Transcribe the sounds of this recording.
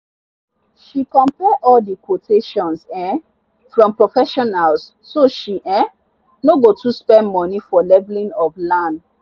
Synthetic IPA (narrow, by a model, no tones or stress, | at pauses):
ʃikɔ̃mpɛʔɔldikʰwotʰeʃɔ̃nsɛ̃ | fɹɔ̃mpɹofɛʃɔnals | soʃiʔɛ̃ | noɡotuspɛ̃ndmɔ̃nifɔlɛvlĩnɔvlãnd